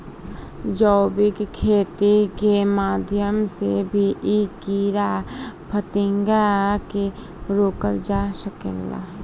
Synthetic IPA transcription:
d͡ʒɔːbɪkkʰːeːt̪ikemaːd̪ʱjəmsḛbʱiʔikiːɾapʰət̪ɪ̃ŋɡake | ɾoːkəld͡ʒaːsəkḛla̰

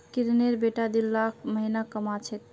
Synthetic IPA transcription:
kiɾneɾbeʈad̪ilːakʰməɦinakəmat͡ʃʰɛt̪̚

